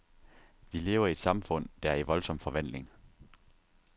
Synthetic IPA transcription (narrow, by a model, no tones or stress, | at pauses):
ʋile̝ːʊɐied̥sɑ̈mfɔ̽n̰d̥ææɐiʋɒ̽lsɒ̽m̰fɒ̽ʋæn̰le̝ŋ